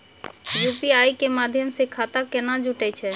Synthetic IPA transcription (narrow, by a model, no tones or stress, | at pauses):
jupiajkemad̪ʱjəmsekʰat̪akenad͡ʒuʈɛt͡ʃʰɛ